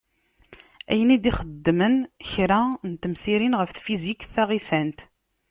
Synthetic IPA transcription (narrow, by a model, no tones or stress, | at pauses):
æ̰jənid̪iχəd̪ːmənçɾænt̪əmsiɾinʁəfθfizikθæʁisænt̪